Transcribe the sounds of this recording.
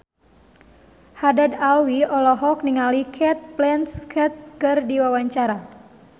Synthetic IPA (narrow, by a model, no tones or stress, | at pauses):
hadadawiɔlɔɦɔk̚niŋalikʰɛt̪̚plɛnskʰɛt̪̚kɨrdiwawaɲt͡ʃaɾa